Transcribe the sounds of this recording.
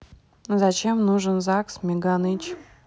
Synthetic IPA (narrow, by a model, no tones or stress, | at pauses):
zɐt͡ɕemnuʐɨnzaksmʲɪɡanɨt͡ɕ